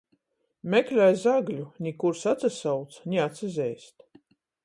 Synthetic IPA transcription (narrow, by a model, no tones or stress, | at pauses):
mʲɛklʲajzaɡlʲunʲikuɾsat̪sasawt̪snʲiat̪sɛzʲɛjst̪